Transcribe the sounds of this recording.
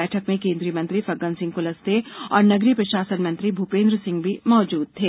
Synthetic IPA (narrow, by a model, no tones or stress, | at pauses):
ɛːʈʰəkmẽkẽːnd̪ɾijəmɐ̃nt̪ɾifɐɡə̃nsɪ̃ŋɡkʊləst̪eɔːɾnɐɡɾipɾɐʃaːsənmɐ̃nt̪ɾibʱupẽːnd̪ɾəsɪ̃ŋɡbʱimɔːd͡ʒuːd̪̚t̪ʰeː